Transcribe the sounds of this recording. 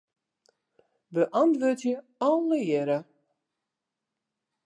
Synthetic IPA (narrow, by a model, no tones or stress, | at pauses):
bəʔantʋøtjə | ɔlˠːəjɛɾə